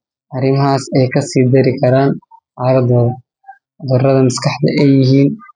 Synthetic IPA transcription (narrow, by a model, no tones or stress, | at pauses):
ʔɐɾɪmɐɦaːsɛjkʰɐsiːd̪ɛɾɪkʰɐɾaːnʔaːɾɐd̪ɔːɐ | d̪ɔrɐðɐmɪskʰɑħd̪ɐ̰ʔɛjɪɦiːn